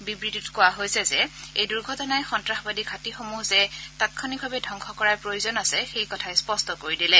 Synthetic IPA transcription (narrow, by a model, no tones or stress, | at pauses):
bibɹitutkʊwaɦojsɛzɛejduɹɡʱɔtɔnajxɔntɹaxɔbadikʰatixomuhzɛtatkʰɔnibʱabɛdʱɔŋkʰɔkɔɹapɹojuzɔnasɛxejkɔtʰaɛspɔstɔkoɹidilɛ